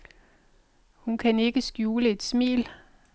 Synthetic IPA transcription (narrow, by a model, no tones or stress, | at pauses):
hunkʰæne̝ɡ̥əsɡ̥juːləe̝d̥smḭːl